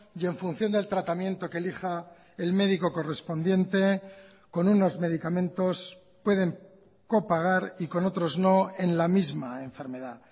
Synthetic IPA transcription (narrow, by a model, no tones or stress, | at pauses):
je̞ɱfun̟θjo̞nd̪e̞lt̪ɾat̪amje̞nt̪o̞kelixa | elme̞ðiko̞ko̞re̞spo̞nd̪je̞nt̪e̞ | ko̞nuno̞zme̞ðikamẽ̞nt̪o̞s | pwe̞ðe̞ŋ | ko̞paɣ̞aɾiko̞no̞t̪ɾo̞zno̞e̞nlamizmaeɱfe̞ɾme̞ða